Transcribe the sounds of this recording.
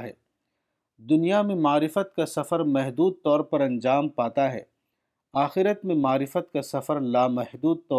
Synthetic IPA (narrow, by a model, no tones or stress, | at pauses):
ɦɛ̰ː | d̪ʊnijamẽmaːɾɪfət̪̚kasɐfəɾmɛɦd̪uːd̪̚t̪ɔːɾpɐɾɐ̃nd͡ʒaːmpaːt̪aɦɛ̰ː | aːxɪɾət̪mẽmaːɾɪfət̪̚kasɐfəɾlaːmɛɦd̪uːd̪̚t̪ɔː